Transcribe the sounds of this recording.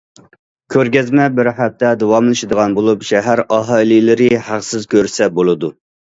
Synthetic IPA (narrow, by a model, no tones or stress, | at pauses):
kʲʰøɾɡʲɛzmɛbɪɾhæp̚t̪ʰɛd̪owɑmlˠɨʃɪd̪əʁɑnbolˠupʃɛɦæɾɑɦɑlilɪɾɪhæqsɪzkʲøɾsɛbolˠɨd̪u